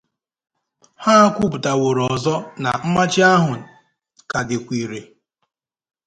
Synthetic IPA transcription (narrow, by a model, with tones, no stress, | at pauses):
ha˦kʷu˦pʊ˨ta˨wo˨ɾɔ˨zɔ˦na˨m̩˦ma˦t͡ʃɪ˦a˦ɦʊ˨ | ka˨dɪ˨kʷi˨ɾe˨